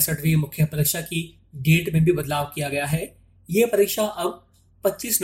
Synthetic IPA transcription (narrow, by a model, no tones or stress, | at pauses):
səʈʋimʊkʰjəpɐɾiːkʃaki | ɖeːʈmẽbʱibɐd̪laːʋkijaɡɐjaɦɛː | jepɐɾiːkʃaʔɐb̚ | pɐtːʃiːsn